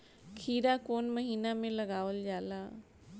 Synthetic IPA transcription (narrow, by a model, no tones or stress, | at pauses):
kʰiːɾakoːnməɦiːnamẽləɡaːʋəld͡ʒaːlaː